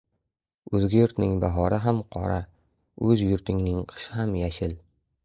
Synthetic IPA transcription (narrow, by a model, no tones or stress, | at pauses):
ɵzɡʲajʊɾt̪nɪŋbaɦɒɾɪɦamqʰɒ̰ɾa | ɵzjʊɾt̪ʰɪŋnɪŋqʰɨ̥ʃɪɦamjaʃɪl